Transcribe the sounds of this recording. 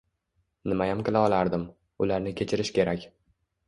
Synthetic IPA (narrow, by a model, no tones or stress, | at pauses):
nɪmajamkʲɪlaɒlˠaɾd̪ɪm | ʊlaɾnɪkʲʰe̞t͡ʃʰɪɾɪʃkʲʰe̞ɾakʲ